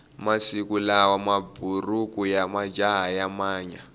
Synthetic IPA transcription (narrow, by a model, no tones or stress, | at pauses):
masikulawamabʱurukujamḁd͡ʒaɦajamaːɲa